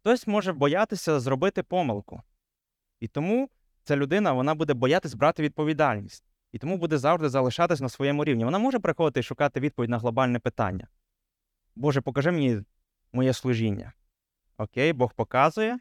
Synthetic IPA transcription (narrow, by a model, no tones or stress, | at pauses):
t̪ɔsʲmɔʒɛbɔjɑt̪ɪsʲɐzrɔbɪt̪ɪpɔmɪlˠkʊ | it̪ɔmu | t͡s̪ʲɛlʲʊd̪ɪnɐʋɔnɑbud̪ɛbɔjɑt̪ɪsʲbɾɑt̪ɪʋʲid̪̚pɔʋʲid̪ɑlʲnʲisʲtʲ | it̪ɔmubud̪ɛzɑwʒd̪ɪzɐlˠɪʃɑt̪ɪsʲɐnɐsʋɔjɛmʊɾʲiwnʲiʋɔnɑmɔʒɛpɾɪxɔd̪ɪt̪ɪʃʊkɑt̪ɪʋʲid̪̚pɔʋʲidʲnɐɦlˠɔbɑlʲnɛpɪt̪ɑ̰nʲːɐ̰ | bɔʒɛpɔkɐʒɛmenʲi | mɔjɛslˠʊʒinʲːɐ̰ | ɔkʲejbɔxpɔkɑzʊjɛ